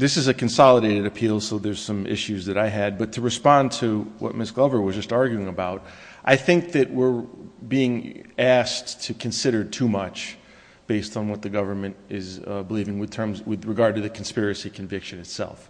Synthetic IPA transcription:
ðɪsɨzɨkʰɨ̃nsɑlˠəɾeɪɾɨɾɨpʰilˠsoʊðə˞z̥sʌ̃mɪ̰ʃʉzðɨɾaɪɨd̚bʌtʰɨɹɨspɑ̃ntʰɨwʔʌ̰t̚mɪsɡ̥lʌvə˞wʌzd͡ʒʌstɑɹɡjʉɪ̃ŋɨbaʊɾ̚ | ʔaɪθɪ̃ŋk̚ðɨʔ̚wɪɹbiɪ̃ŋæstʰɨkʰɨ̃nsɪɾə˞d̚tʰumʌt͡ʃ | b̥eɪstn̩wʌt̪̚ðɨɡʌvə˞mɨ̃nɪzbəlivɪ̃ŋwɨð̥tʰɜ̃˞mzwɨðɹɨɡɑɹd̚tɨðɨkʰn̩spɪɹɨsikʰɨ̃ɱvɪkʃɨ̃nɨtsɛ̰lˠf

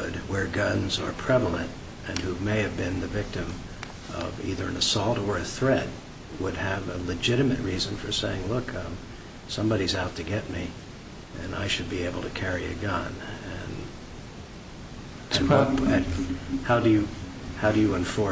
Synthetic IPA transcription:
d̚wə˞ɡʌ̃nzə˞pʰɹ̥ɛvl̩ˠɨ̃nt | ɨ̃nhʉmeɪɨvbɪ̃nðɨvɪk̚tɨ̃m | ʌ̰vḭðə˞ɨ̃nɨsɔlˠtə˞ɨθɹɛt̚ | wəd̚ɨvəlɨd͡ʒɪɾɨmɨʔ̚ɹizɨ̃nfə˞seɪɪ̃ŋlʊkʰʌ | sʌ̃mbɑɾizaʊtʰɨɡɛt̚mi | ɨ̰̃na̰ɪʃɨd̚bieɪbl̩ˠtʰɨkʰɛɹiɨ̰ɡʌ̃nɨ̃n | ɨhaʊɾɨjɨ | haʊɾɨjɨə̃ɱfɔ

